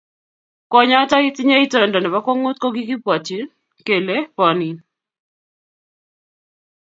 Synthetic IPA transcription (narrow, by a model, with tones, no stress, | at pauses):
kɔ˦ɲa˦ta˦i˦tɪ˦ɲa˦i˦tɔ˦e˨ndɔ˨nɛ˨ba˦kɔ˦ŋo˦t̚kɔ˦ɡi˦kɪ˦pwa˨ti˨˦ | ke˨le˦pɔ˨ni˨n